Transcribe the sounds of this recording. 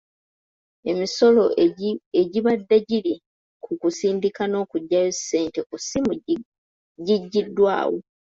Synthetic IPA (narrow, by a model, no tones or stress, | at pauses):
e̞miso̞lo̞eɟiβadːeɟili | kʰukusiːndikano̞ːkuɟːajose̞ːnte̞kusimu | ɟiɟːidːwa̰ːwo